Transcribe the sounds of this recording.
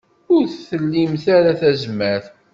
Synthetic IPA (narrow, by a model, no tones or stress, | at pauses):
ʊɾθθəlːimθaɾaθæzəmːæθ